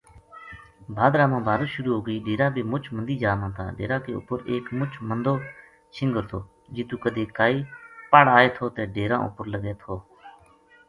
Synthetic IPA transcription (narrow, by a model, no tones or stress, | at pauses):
bʱaːd̪ɾaːmãːbʱaːd̪uːʃʊɾuːɦoːɡəiːɖeːɾãːbʱiːmʊt͡ʃʰmənd̪iːd͡ʒaːmãːt̪ʰã̰ːɖḛːɾãːkeːʊ̰pəɾeːkmʊt͡ʃʰmənd̪oː | t͡ʃʰɪ̃ŋɡəɾt̪ʰoː | d͡ʒiːt̪uːkəd̪eːkaːiːpaɽaːeːt̪ʰoːt̪eːɖeːɾãːʔʊ̰pəɾləɡeːt̪ʰoː